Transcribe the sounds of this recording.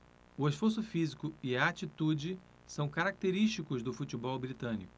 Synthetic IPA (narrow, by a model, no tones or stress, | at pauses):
ʊeʃfoɾs̬ʊfizikʊɪɐat͡ʃit̪ud͡ʒɪ | sɐ̃w̃kaɾak̚t̪eɾiʃt͡ʃikʊzd̪ʊfut͡ʃibɔwbɾit̪ɐ̃nḭkʊ̥